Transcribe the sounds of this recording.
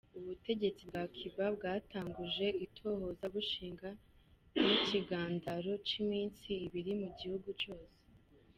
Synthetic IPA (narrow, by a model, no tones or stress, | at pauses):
uβute̞ɟe̞t͡sib̚ɡaːkʰiβab̚ɡaːtaːŋɡuʒe̞itʰo̞ho̞zaβuʃiːŋɡa | iciɡaːndaɾo̞t͡ʃimiːnsiːβiɾimuɟihuɡut͡ʃo̞ːse